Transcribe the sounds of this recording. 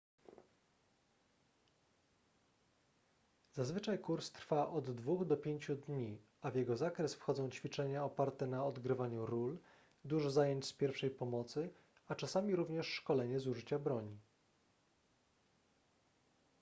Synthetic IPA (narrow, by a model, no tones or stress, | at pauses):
zazvɘt͡ʂajkuɾst̪ɾfaʔɔd̪ːvuɣd̪ɔpʲjeɲt͡ɕud̪ɲi | avjɛɡɔzakɾɛsfxɔd̪zɔ̃w̃t͡ɕfʲit͡ʂɛɲaɔpaɾt̪ɛnaɔd̪ɡɾɘvaɲuɾul | d̪uʐɔzajeɲt͡ɕspʲjɛɾfʂɛjpɔmɔt̪sɘ | at͡ʂasamʲiɾuvɲɛʂːkɔlɛɲɛzuʐɘt͡ɕabɾɔɲi